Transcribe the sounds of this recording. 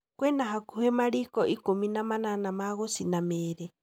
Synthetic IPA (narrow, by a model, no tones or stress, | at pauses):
kwɛnaɦakuhɛmaɺikɔʔikuminamananamaɣɔsinamɛːɾɛ